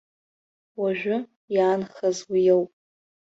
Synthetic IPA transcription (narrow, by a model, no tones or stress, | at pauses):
waʒᶣʷʊ | jaːnχazwijewpʼ